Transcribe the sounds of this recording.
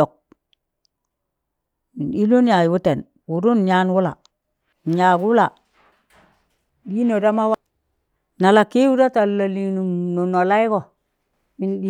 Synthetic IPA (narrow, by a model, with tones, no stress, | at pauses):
o˨k̚ | mi˨ni˦lo˦n˦ja˨jwu˦te˨n | wu˨ɾu˦n˨ɲa˦nwu˦la̰˨ | ɲa˨ɡwu˦la˨ | di˦no˨da˦ma˦wa˦ | na˨la˨ki˦wu˦da˦ta˨lla˨li˨nu˨mno˨no˨la˦i˦ko˨ | mi˨ndi˦